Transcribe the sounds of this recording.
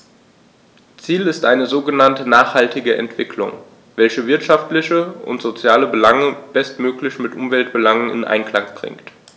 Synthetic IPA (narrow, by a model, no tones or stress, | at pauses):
t͡siːlɪstʔaɪnəzoːɡənantənaːχhaltɪɡəʔɛ̰ntv̥ɪkʰlʊ̰ŋ | vɛlçəvɪɐtʃaftlɪçəʊ̰ntz̥ot͡sjaːləbəlaŋəb̥ɛstmøːklɪçmɪtʔʊmvɛltb̥əlaŋənɪ̰nʔa̰ɪnkl̥aŋb̥ʁɪ̰ŋkt